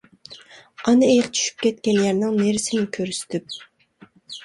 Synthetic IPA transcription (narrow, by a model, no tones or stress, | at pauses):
ɑnɨejɪqt͡ʃʰy̥ʃy̥p̚kʲʰɛt̪kʲɛnjæɾnɪŋneɾɪsɪnɪkʲʰøɾsy̥t̪ʰyp̚